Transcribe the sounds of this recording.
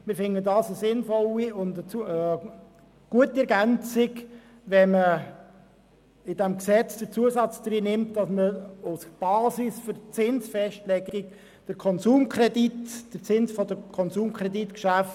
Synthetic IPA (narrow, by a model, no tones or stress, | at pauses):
mɪɾfɪnədɑːsəsɪnfɔliʊndət͡suə | ɡ̥uətiɛɾɡænt͡sɪk | ʋɛmə | ɪd̥ɛmksɛt͡sd̥əɾt͡suəsɑt͡sd̪ɾiːnɪmtd̥ɑsməʊsb̥ɑːsisføɾt͡sɪnsfɛʃtlɛɡɪk | d̥əɾkʰɔnsuːmkʰrɛditd̥əɾt͡sɪnsfɔdəkʰɔnsuːmkʰʁɾɛditkʃæft